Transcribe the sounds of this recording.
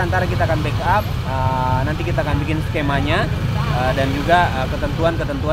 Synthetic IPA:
ant̪aɾakit̪aːkanbekap̚ | ə | nant̪ikit̪aːkanbikɪnsə̥kemaɲa | ədand͡ʒuɡaəkət̪ənt̪uankət̪ənt̪ua

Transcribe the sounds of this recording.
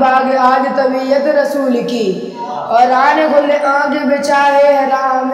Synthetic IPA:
baːɡeaːd̪t̪ɐbijɐt̪ɾɐsuːlki | ɔːɾaːneɡolːeʔãːɡebɪt͡ʃaːɾeɦɐɾaːm

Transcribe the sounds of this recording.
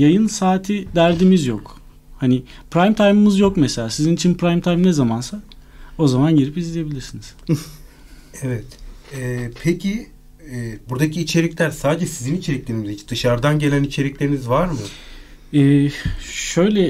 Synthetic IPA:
jajɯnsaːt̪ʰid̪æɾd̪imizjo̞k | hani | pɾajmt̪ʰajmɯmɯzjo̞kmese̞lʲaːsizinit͡ʃʰinpʰɾajmt̪ʰajmnezamansa | o̞zamanɟiɾipizlʲije̞bilʲiɾsiniz̥ | evɛt̪ɛpʰecʰiː | buɾd̪acʰiːt͡ʃʰe̞ɾiclʲæɾsaːd̪d͡ʒɛsizinit͡ʃʰe̞ɾiclʲe̞ɾinizit͡ʃd̪ɯʃaɾd̪anɟe̞lʲænit͡ʃʰe̞ɾiclʲe̞ɾinizvaɾmɯ | ɛːʃø̞jlʲɛ

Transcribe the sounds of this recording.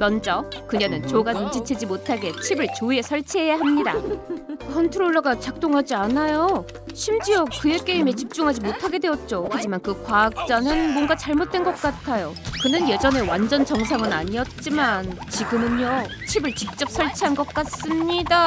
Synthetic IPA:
mjʌnd͡ʑʌkɯɲenɯnt͡ɕoɡanund͡ʑʰit͡ɕʰed͡ʑimotʰaɡe̞t͡ɕʰibɯɭt͡ɕoie̞sʰʌɭt͡ɕʰiɦe̞jaɦamɲida̰ | kʰʌntʰɯɾoɭːʌɡat͡ɕak̚t͈oŋɦad͡ʑianajo | ɕʰimd͡ʑiʌkɯe̞k͈eime̞t͡ɕip̚t͡ɕ͈uŋɦad͡ʑimotʰaɡe̞dwe̞ʌt̚t͡ɕ͈ohad͡ʑimankɯkwaːk̚t͡ɕ͈anɯnmwʌnɡat͡ɕaɭmot̚t͈we̞nɡʌk̚k͈at̚kʰajokɯnɯnje̞d͡ʑʌne̞wand͡ʑʌnt͡ɕʌŋs̬ʰaŋɯnaɲiʌt̚t͡ɕ͈imant͡ɕiɡɯmɯɲo | t͡ɕʰibɯɭt͡ɕik̚t͡ɕ͈ʌp̚s͈ʰʌɭt͡ɕʰiɦanɡʌk̚k͈as͈ɯmɲida

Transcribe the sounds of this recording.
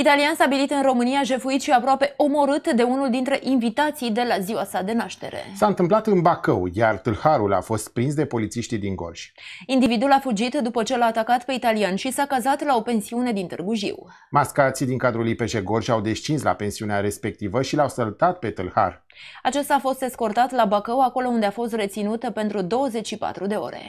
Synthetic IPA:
it̪alianst̪abilit̪ɨnro̞mɨnijaʒe̞fuit̪ʃiapɾoape̞ʔo̞mo̞ɾɨt̪d̪e̞unuld̪int̪ɾe̞ʔinvit̪at̪sijd̪e̞laziwasad̪e̞naʃt̪e̞̰ɾe̞̰saɨnt̪ɨmplat̪ɨnbakəwjart̪ɨlhaɾula̰fo̞st̪̚pɾins̬d̪e̞po̞lit̪siʃt̪id̪iŋɡo̞̰rʒ̥ʲ | ind̪ivid̪ulafud͡ʒit̪d̪upət͡ʃe̞laːt̪akat̪pe̞it̪alianʃisakazat̪lao̞pe̞nsiune̞d̪int̪ɨrɡuʒḭw | maskat̪sid̪iŋkad̪ɾulipeʒeɡo̞rʒʲawd̪est͡ʃinsla̰pe̞nsiuneaɾe̞spe̞k̚t̪ivəʃilawsəlt̪at̪̚pe̞t̪ɨlha̰r | at͡ʃest̪aːfo̞st̪d̪e̞sko̞rt̪at̪labakəwako̞lo̞und̪e̞afo̞st̪re̞t̪sinut̪əpe̞nt̪ɾud̪o̞wəze̞t͡ʃʲʃipa̰t̪ɾud̪e̞o̞̰ɾe̞̰

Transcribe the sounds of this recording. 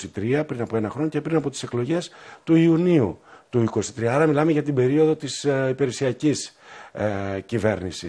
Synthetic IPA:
it̪ɾiɐpɾinɐpo̞e̞nɐxɾo̞no̞ce̞pɾinɐpo̞t̪i̥seklo̞ʝe̞st̪uiuniut̪uiko̞si̥t̪ɾiɐɐɾɐmilɐmeʝɐt̪ibe̞ɾio̞ðo̞t̪isipe̞ɾesiɐcis | cive̞ɾnisi

